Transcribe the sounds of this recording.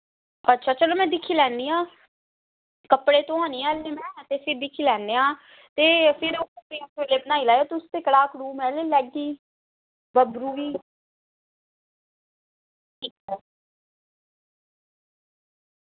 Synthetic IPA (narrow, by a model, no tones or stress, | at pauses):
ətːʃʰaːt͡ʃəloːmɛ̃ːd̪ɪkʰːiːlɛ̃ːnd̪iːãː | kəpːɽeːt̪õːãːniːãːleːmɛ̃ːt̪eːpʰɪɾd̪ɪkʰiːlɛːnd̪eːãː | t̪eːpʰɪɾoəpeːtʰeːleːbənaːiːlaːjoːt̪ɪʊst̪eːkəɽaːkɾuːmɛːleːlɛːɡiː | bəbɾuːʋiː | ʈiːkɛː